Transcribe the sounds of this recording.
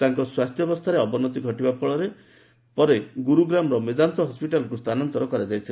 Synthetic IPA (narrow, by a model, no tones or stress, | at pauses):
t̪aŋkɔswast̪ʰjɔbɔst̪ʰaɾeɔbɔnɔt̪̬iɡʱɔʈibapʰɔɭɔɾe | pɔɾeɡuɾuɡɾamɾɔmed͡ʒant̪ɔɦɔspiʈalkust̪ʰanɔnt̪ɔɾɔkɔɾad͡ʒajt̪ʰila